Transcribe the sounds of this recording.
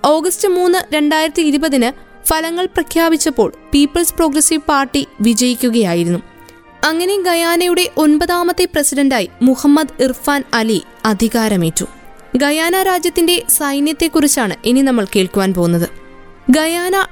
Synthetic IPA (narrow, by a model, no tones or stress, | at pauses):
o̞ːɡɐstɨmuːnːɨɾe̞ɳɖaːjiɾɐt̪ːiːɾubɐðinɨ | fɐlɐŋːɐɭprɐkʰjaːbit͡ɕːɐpːo̞ːɭpiːpːɐɭspro̞ːɡrɐsiʋpaːrʈːiʋid͡ʑɐjikʲːuɣɐjaːjiɾunːu | ɐŋːɐne̞ɡɐjaːnɐjuɽe̞ʔo̞nbɐðaːmɐt̪ːeprɐsidɐndaːjimuhɐmːɐd̪irfaːnɐli | ɐd̪ʱiɣaːɾɐme̞ːtːṵ | ɡɐjaːnaɾaːd͡ʑjɐt̪ːinde̞sɐjnjɐt̪ːe̞kːurit͡ɕːaːɳɨʔeninɐmːɐɭke̞ːɭkuʋaːnpo̞ːunːɐðɨ | ɡɐjaːnɐ